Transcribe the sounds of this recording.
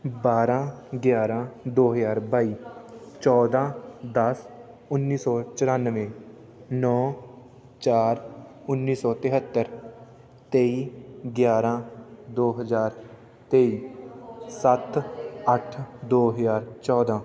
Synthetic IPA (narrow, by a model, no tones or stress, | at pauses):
baːɾãː | ɡjaːɾãːd̪oːɦəzaːɾbaːiːt͡ʃɔːd̪ãːd̪əs | ʊnːiːsɔːt͡ʃəɾaːnʋẽː | nɔː | t͡ʃaːɾʊnːiːsɔːt̪ɪɦət̪ːəɾ | t̪eːiːɡjaːɾãːd̪oːɦəzaːɾ | t̪eːiː | sət̪əʈʰd̪oːɦəzaːɾt͡ʃɔːd̪ãː